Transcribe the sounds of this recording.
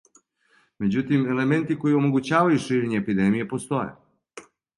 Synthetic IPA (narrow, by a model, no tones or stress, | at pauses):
me̞d͡ʑut̪ime̞le̞ment̪iko̞jiomo̞ɡut͡ɕaːʋajuʃiːɾeɲeːpid̪emije̞po̞st̪o̞jḛ